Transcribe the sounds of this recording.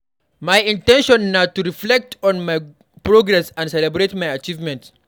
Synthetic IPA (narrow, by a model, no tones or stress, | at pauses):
majĩntɛ̃nʃɔ̃nːatuɾiflɛk̚tʰɔ̃nmaj | pɹoɡɾɛsãndsɛlɛbɾetmajat͡ʃivmɛ̃nt